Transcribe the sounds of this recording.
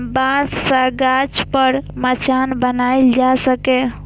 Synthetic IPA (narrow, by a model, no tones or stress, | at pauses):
bãːtsəɡaːt͡ʃpəɾmət͡ʃʰaːnbənaːɪld͡ʒasəkẽ